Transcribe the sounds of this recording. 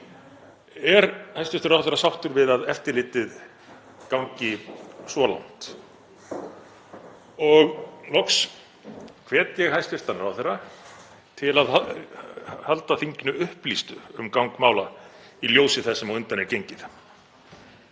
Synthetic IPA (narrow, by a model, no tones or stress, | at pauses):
ɛɾhajst̪ɪ̥t̪ʏɾawθɛrːasawht̪ʏɾvɪðaðɛft̪ɪɾlɪːt̪ɪð | kawŋɲcɪsɔːla̰wn̥t̪ | ɔɣnɔks | kʰv̥ɛːt̪jɛɣɦajst̪ɪɾ̥t̪anʏɾawθɛrːa | t̪ʰɪlaða | halt̪aθiɲcɪnʏʏhplist̪ʏ̰ʏmkawŋkmaːwla | iljoːwsɪθɛsːɛmawʏnt̪anɛɾcejɲcɪθ